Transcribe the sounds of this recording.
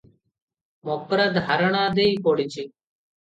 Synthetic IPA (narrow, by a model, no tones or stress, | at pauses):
moːkɾəɡʱaɾəɳãːd̪eːiːkoːɽɪt͡ʃi